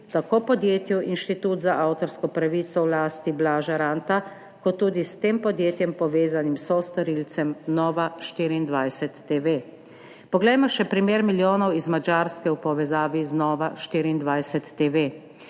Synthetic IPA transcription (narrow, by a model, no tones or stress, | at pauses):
t̪akoːpɔd̪jeːt̪juʔinʃt̪it̪uːt̪zaʔawt̪ɔɾskɔpɾaʋiːt̪sɔwlaːst̪iblaːʒɛɾant̪a | kɔt̪ːuːd̪ist̪eːmpɔd̪jeːt̪jɛmpɔʋeːzanimsɔst̪ɔɾilt̪sɛmnɔʋaʃt̪iːɾiːnd̪ʋajsɛt̪ːeʋeː | pɔɡlɛjmɔʃɛpɾimeːɾmiljoːnɔwizmad͡ʒaːɾskɛwpɔʋɛzaːʋiznɔːʋaʃt̪iːɾiiːnd̪ʋajsɛt̪ːeʋe